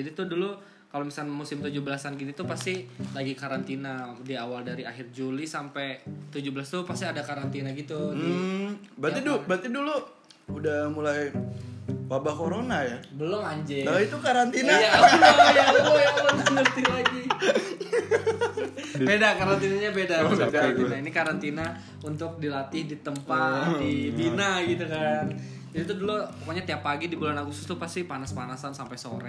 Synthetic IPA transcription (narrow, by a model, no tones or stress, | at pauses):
d͡ʒadit̪ʊdulu | kalomisanmusɪmt̪ud͡ʒubəlasanɡinit̪upast̪ilaɡikaɾant̪inadiawaldaɾia̰ɦɪrd͡ʒulisampɛt̪ud͡ʒubəlast̪upast̪iadakaɾant̪inaɡit̪u | bɾət̪idubət̪idulu | udahmulaj | wabakoɾonajabəlɔŋaɲd͡ʒɛaiukaɾant̪inajajaojaoɾaŋsəŋərt̪ɪhlaɡi | bedakaɾant̪inaɲabedaat̪inainikaɾant̪ina | unt̪ʊk̚dilat̪ɪhdit̪əmpat̪̚dibinaɡit̪ukan | d͡ʒadit̪udulupəkoɲat̪iapːaɡidibulanakusʊ̥st̪ʊpast̪ipanaspanasansampajso̰ɾɛ̰